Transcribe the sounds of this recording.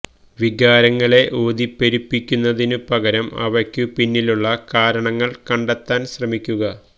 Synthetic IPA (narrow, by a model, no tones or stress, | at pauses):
ʋiɡaːɾɐŋːɐɭe̞ʔo̞ːd̪ipːeɾipːikʲːunːɐðinɨpɐɣɐɾɐmɐ̰ʋɐrkːɨpinːiluɭːɐkaːɾɐɳɐŋːɐɭkɐɳɖet̪ːaːnɕrɐmikʲːuɣɐ